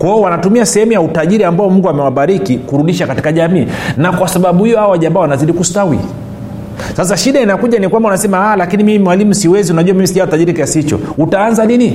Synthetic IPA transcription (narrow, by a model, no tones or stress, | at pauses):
kwaɔwanatumiasɛhɛmujautaʄiɾiambaɔmuŋɡuamɛwaɓaɾikikuɾuɗiʃakati̥kaʄamiːnakwasaɓaɓuhijɔhawaʄambaɔwanaziɗikustawḭ | sas̬aʃiɗainakuʄanikwambaunasɛmahalakinimimimwalimusiwɛziunaʄuwamimisiʄawtaʄiɾikiasihit͡ʃɔ̰utaanzanini